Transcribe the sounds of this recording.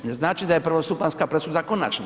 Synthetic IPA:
neznaːt͡ʃid̪ajepr̩ʋost̪upanskapɾesud̪ako̞na̰t͡ʃna

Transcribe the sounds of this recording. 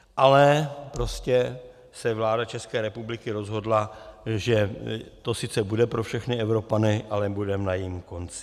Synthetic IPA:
ʔalɛpɾo̞scɛ | sɛvlaːdat͡ʃɛskɛːɾɛpublɪkɪɾo̞zɦo̞dlaʒɛt̪o̞sɪt͡sɛbudɛpɾofʃɛxnɪɛvɾo̞panɪʔalɛbudɛmnajimko̞nt͡sɪ̥

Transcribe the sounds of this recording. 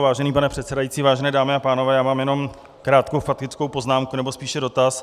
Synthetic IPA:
vaːʒɛniːpanɛpr̥ɛt̪t͡sɛdajiːt͡siːvaːʒɛnɛːdaːmɪapaːnovɛːjaːmaːmjɛno̞m | kɾaːt̪kowfat̪kɪt͡skowpo̞znaːmkunɛbo̞spiːʃɛdo̞t̪as

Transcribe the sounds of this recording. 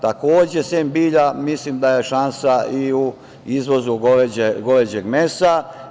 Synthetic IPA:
t̪ako̞ːd͡ʑeseːmbiːʎamislimd̪ajeʃansaiu | izʋo̞zuɡoʋed͡ʑeɡo̞ʋed͡ʑeɡme̞sa

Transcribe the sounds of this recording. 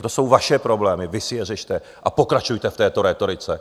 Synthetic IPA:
t̪o̞so̞wvaʃɛpɾo̞blɛːmɪvɪsɪjɛrɛʃt̪ɛ | ʔapo̞kɾat͡ʃujt̪ɛft̪ɛːt̪oɾɛt̪o̞ɾɪt͡sɛ

